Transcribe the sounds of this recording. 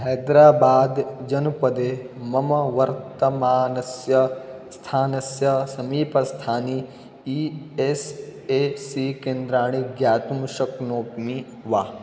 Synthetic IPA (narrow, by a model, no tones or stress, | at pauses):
ɦɛːd̪ɾaːbaːd̪d͡ʒɐnpɐd̪eː | mɐmɐʋɐɾt̪ɐmaːnɐsjɐst̪ʰaːnɐsjɐsɐmiːpɐst̪ʰaːni | iː | eseːsikẽːnd̪ɾaːɳ̃iɡjaːt̪umuʃɐknoːpmi | ʋaː